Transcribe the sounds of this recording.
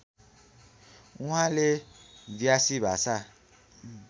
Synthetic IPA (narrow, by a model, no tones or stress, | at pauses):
ũãleviasibasa